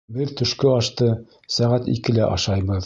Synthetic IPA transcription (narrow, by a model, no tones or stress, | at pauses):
bɘðt̪ɵ̆ʃkɵɑʃt̪ɤ | sæʁæt̪ḭkɘ̆læʔɑʃɑjβɤð